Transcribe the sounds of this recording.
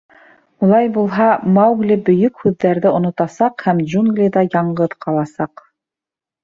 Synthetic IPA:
ulˠɑjbulˠɦɑmɑwɡlʲibɵ̆jɵkhʉðːæɾðɘŏnŏt̪ɑsɑqhæmd͡ʒuŋɡlʲid̪ɑjɑɴɢɤðqɑlˠɑsɑq

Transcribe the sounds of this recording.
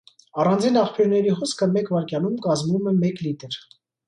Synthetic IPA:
ɑrɑnd͡zinɑχpʰjuɾnɛɾiχɔskʰəmɛkvɑɾkjɑnumkɑzmumɛmɛklit̪əɾ

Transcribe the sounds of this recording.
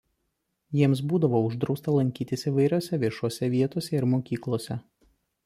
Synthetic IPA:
jiɛms̬buːd̪ɐʋoːʊʒd̪ɾɒʊst̪ɐlˠɐŋʲkʲiːt̪ʲɪsiʋɐɪɾʲoːsʲɛʋʲiɛʃuɔsʲɛʋʲiɛt̪oːsʲɛɪɾmoːkʲiːklˠoːsʲɛ

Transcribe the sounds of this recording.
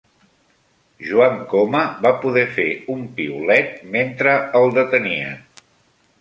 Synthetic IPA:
ʒuaŋkoməβapuðɛfeumpiulɛt̪̚ment̪ɾəəlˠd̪ət̪əniə̰

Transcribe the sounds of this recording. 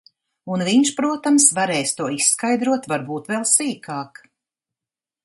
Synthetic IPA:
unviɲʃpɾuɔt̪amsvaɾɛːjst̪uɔisːkajd̪ɾuɔt̪vaɾbuːt̪vɛlˠsiːkaːk

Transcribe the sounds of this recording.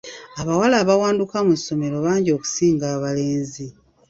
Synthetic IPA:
aβawalaːβawaːndukamusːo̞me̞ɾo̞βaːɲɟo̞ku̥siːŋɡaːβale̞ːnzi

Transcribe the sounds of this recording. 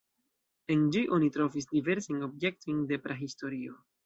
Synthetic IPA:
e̞nd͡ʒiʔo̞nitɾo̞vis̬dive̞ɾsano̞bje̞k̚tojnde̞pɾeɦisto̞ɾio̞

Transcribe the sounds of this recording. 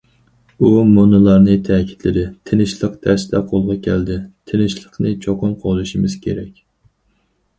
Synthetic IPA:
umonɨlˠɑɾnɨt̪ʰɛkʲʰi̥t̪lɪd̪ɪt̪ʰɪnɪʃlˠəqt̪ʰɛsd̪ʰɛqʰolˠʁɑkʲʰɛld̪ɪt̪ʰɪnɪʃlˠəqnɨt͡ʃʰoqʊmqʰoʁlˠuʃimɪz̥kʲʰeɾɛkʲ

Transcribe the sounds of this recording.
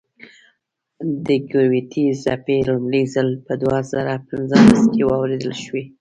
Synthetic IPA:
d̪əɡawet̪ʰizapeɾumɽəzalpəd̪wazɑ̰ɾapɪnzəlaskewɑwɾed̪əlʃwe

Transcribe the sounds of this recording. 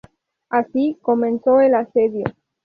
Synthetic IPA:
asiko̞mẽnsoelaseðjo

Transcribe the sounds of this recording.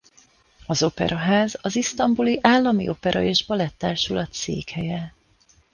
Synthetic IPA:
ɒzo̞pɛ̰ɾʔɒɦaːzɒzist̪ɒmbuliʔaːlːɒmiʔo̞pɛɾʔɒ̰eːʒbɒlɛt̪ːaːʃulɒt̪sḛːkhɛjɛ

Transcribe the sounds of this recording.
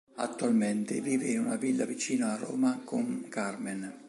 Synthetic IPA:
a̰t̪ːualmɛnt̪ɪ̰viːveinunavilːavit͡ʃiːnaarɔ̰ːmakuŋkarmen

